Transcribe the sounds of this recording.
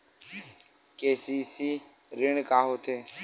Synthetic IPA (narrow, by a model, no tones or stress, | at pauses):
keːsiːsiː | ɾɪɳkaːɦoːt̪ʰeː